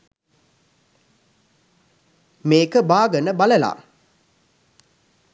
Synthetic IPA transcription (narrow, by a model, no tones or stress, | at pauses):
meːkəbaːɡənəbaləla̰ː